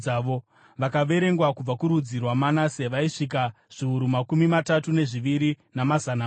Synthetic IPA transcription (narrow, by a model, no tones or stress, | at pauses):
aʋo | ʋakaʋe̞ɾe̞ŋɡwakub͡vakuɾud͡zirwamanaseʋaiʂik̬a | ʐ̥iuɾumakumimatatune̞ʐiʋiɾinamazana